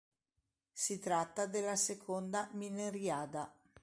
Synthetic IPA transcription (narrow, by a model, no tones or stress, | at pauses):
sit̪ɾat̪ːad̪elːasekʰond̪amineɾjaːd̪a